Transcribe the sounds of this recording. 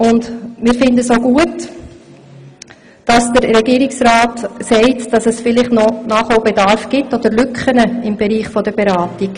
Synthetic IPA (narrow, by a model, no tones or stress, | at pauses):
ʊndmɪːɾfɪndəsoɡuət | d̥ɑsd̥əɾːɛɡiːɾɪksɾɑːtsɛɪtd̥ɑsəsfɪlɪχtnɔnɑːχoʊbɛdɑɾfɡ̥ɪtːɔd̥̪əɾlʏkχənəɪmbɛɾiːχfɔd̥əbɛɾɑːtik